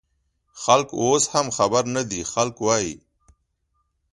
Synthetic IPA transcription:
xɐlkoːshɐmxɐbəɾnad̪ixalkwaːḭ

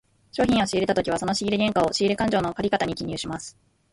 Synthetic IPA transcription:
ɕo̞ːçʲĩɰ̃o̞ɕiːɾe̞t̪at̪o̞kʲiβ̞aso̞no̞ɕiɡʲiɾeɡ̪ʲẽ̞ŋkao̞ɕiiɾɯkãɲ̟d͡ʑoːno̞kaɾʲikat̪aɲ̟ikʲiɲ̟ʲɨːɕimasɨ̥

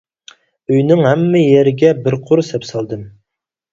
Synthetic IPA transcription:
øjnɪŋɦɛmːɪjeɾɪɡʲɛbɪɾqʰʊɾsɛpsɑlˠd̪ɨm

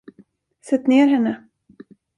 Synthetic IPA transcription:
sɛt̪ːneːɾɦɛnːə

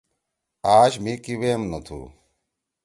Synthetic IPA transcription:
aːɕmikiweːmnɐt̪ʰṵː

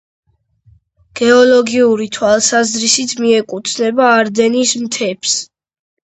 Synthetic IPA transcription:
ɡ̥ɛɔlɔɡiuɾit̪ʰwalˠsazɾisit̪ʰmiɛkʼut̪ʰnɛbaːɾd̪ɛnismt̪ʰɛpʰs

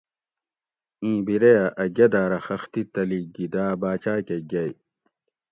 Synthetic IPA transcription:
ĩːbiɾeɐʔɐɡɐd̪aːɾɐxɐxt̪it̪ɐliɡid̪aːbaːt͡ɕaːkeɡɐj

